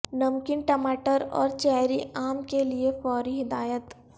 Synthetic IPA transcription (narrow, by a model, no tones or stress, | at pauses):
nɐmkɪnʈɐmaːʈəɾɔ̰ːɾt͡ʃɛɦɾiʔaːmkeliefɔːɾiɦɪd̪aːjət̪